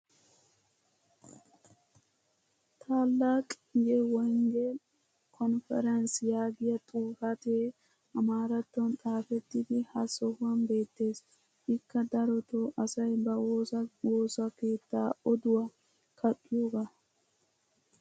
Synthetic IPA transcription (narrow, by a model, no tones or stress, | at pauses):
t̪ʰaːlːaːkʼ | jewɔjŋɡe | kʰɔnfɛ̰ɾɐnsjaːɡɪjɐt̪ʼuːfɐt̪eː | ɐmaːɾɐt̪ːɔnt̪ʼaːfɛt̪ːɪd̪ɪhɐsɔhɐnbe̞ːt̪ːe̞ːs | ʔɪkːɐd̪ɐɾɔt̪oːʔɐsɐjbɐwoːsɐke̞ːt̪ːaːɔd̪ʊwɐ | kʰɐʔʼuːɡɐ